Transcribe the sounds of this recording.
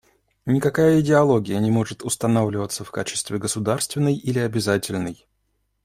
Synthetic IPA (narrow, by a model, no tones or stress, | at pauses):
nʲɪkɐkajəɪdʲɪɐlˠo̞ɡʲɪjənʲɪmo̞ʐɨt̪ʊst̪ɐnavlʲɪvət̪səfkat͡ɕɪ̥st̪vʲɪɡəsʊd̪arst̪vʲɪnːəjilʲɪɐbʲɪzatʲɪlʲnəj